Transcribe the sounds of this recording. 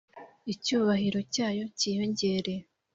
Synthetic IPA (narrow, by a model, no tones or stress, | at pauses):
icuːβahiɾo̞caːjo̞ciːjo̞ɲɟe̞ɾe̞